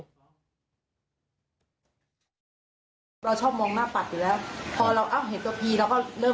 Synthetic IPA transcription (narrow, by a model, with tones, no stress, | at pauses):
ɾa˧wt͡ɕʰɔː˥˩p̚mɔː˧ŋmaː˥˩k̚pa˨˩t̪̚juː˨˩˦lɛː˦˥wpʰɔː˧ɾa˧wʔa˧˩wɦe˨˦nt̪u˧əpʰiː˧ɾa˧wkɔː˥˩ɾɤː˥˩